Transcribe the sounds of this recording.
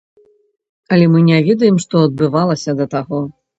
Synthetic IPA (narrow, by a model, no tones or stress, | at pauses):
ɐlʲɛmɨnʲɛvʲɛd̪ɐjɛmʂt̪ɔɐd̪̚bɨvalˠɐsʲɐd̪ɐt̪aɣɔ